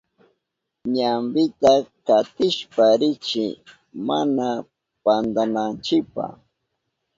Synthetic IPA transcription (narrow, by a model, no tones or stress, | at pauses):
ɲambɪt̪akat̪ɪʃpaɾɪt͡ʃɪ | mana | pand̪anant͡ʃɪpa̰